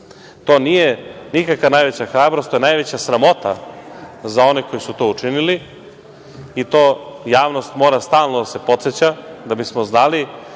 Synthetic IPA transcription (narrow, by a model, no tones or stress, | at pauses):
t̪o̞ːnijenikakʋanajʋe̞t͡ɕaxɾaːbɾost̪ojenajʋet͡ɕasɾamo̞t̪a̰ | zao̞neko̞jisut̪o̞ːut͡ʃinili | it̪o̞ːjaːʋno̞st̪mo̞ːɾast̪aːlˠnod̪ase̞po̞t̪set͡ɕad̪abismo̞znali